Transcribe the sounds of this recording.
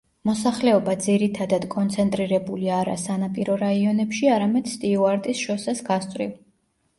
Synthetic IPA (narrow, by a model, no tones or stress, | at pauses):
mɔsaχlɛɔbad̪ziɾit̪ʰad̪ad̪kʼɔnt̪sʰɛnt̪ʼɾiɾɛbuliaɾa̰sanapʼiɾɔɾaiɔnɛpʃiaɾamɛd̪̥st̪ʼiuaɾt̪ʼisʃɔsɛsɡast̪ʼɾḭv